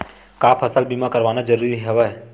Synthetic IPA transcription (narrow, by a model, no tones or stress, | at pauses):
kaːpʰɐsəlbimakɐɾʋaːnad͡ʒɐɾuːɾiɦɛʋa